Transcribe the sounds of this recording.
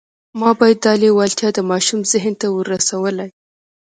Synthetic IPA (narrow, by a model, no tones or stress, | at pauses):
mɑbɑjad̪ːɑlewɑlt̪jɑd̪əmɑʃumzɪɦnt̪awəɾasawəlaj